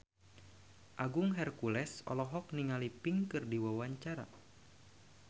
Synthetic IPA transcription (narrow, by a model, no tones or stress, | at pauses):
ʔaɡuŋɦɛrkulɛsɔ̰lɔɦɔk̚niŋalipiŋkɨrdiwawaɲt͡ʃaɾa̰